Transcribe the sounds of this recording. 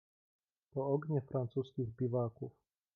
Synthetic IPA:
pɔɔɡɲɛfɾant͡suːskiɣbiʋaːkuw

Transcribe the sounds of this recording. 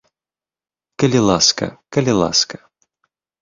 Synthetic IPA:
kɐlʲilˠaskɐ̰kɐlʲilˠa̰skɐ

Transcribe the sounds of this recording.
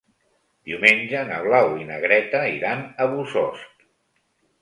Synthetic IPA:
d̪̥iumenʲd͡ʒənəβ̞lawinəɣɾɛt̪əiɾanəβuzɔst

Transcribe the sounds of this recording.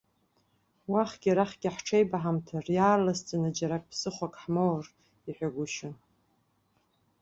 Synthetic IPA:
waχɡʲiɾaχɡʲɪħʈ͡ʂʰejbaħamtʰarjaːrlast͡sʼanad͡ʒaɾakʼpʰsɨχʷakʼħmowr | iħᶣaɡʷʊʃɪn

